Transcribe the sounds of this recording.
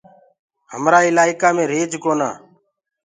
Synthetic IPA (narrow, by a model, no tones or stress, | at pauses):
həmɾaːɪlaːɪkaːmẽːɾeːd͡ʒkoːna̰ː